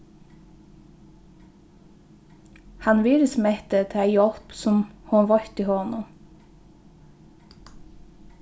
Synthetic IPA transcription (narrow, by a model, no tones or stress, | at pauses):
hɑnʋiːɾəsmɛt̪ət̪ʰːæɪjɔlpsɔmhuʋɑɾt̪iːhoːnʊ